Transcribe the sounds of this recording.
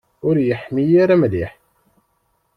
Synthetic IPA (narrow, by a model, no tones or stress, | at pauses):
ʊɾjəħmijaɾæmliħ